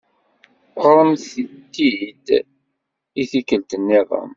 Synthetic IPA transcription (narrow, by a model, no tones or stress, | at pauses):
oɾˤənθit̪ːid̪ | iθikːəlt̪ənːiðˤə̰m